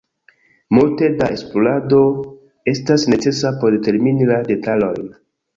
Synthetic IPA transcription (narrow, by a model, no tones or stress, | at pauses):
multe̞daʔe̞splolado̞ | e̞stasne̞t͡se̞sapo̞ɾdete̞ɾminilade̞talo̞jn